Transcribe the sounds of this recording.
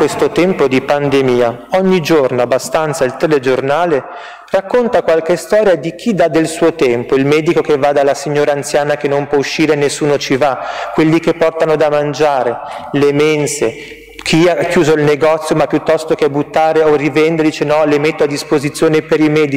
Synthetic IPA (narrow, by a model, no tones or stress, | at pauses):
kwest̪ot̪ɛmpod̪ipand̪emiːaɔɲːid͡ʒornoabːast̪ant̪sailt̪eled͡ʒornaːle | rakːont̪akwalkest̪ɔːɾjad̪ik̟ʰid̪ad̪elsuːot̪ɛmpoilmɛːd̪ikokevːad̪alːasiɲːoːɾaːnt̪sjaːnak̟enːompwɔuʃːiːɾenesːuːnot͡ʃivakːwelːikepːɔrt̪anod̪amand͡ʒaːɾelemense | kʰiakːjuːzoilneɡɔt̪sːjomapːjut̪ːɔst̪okebut̪ːaːɾeorivɛnd̪eɾd̪iːt͡ʃenɔlemet̪ːoad̪ːispozit̪sjoːnepeɾimɛːd̪i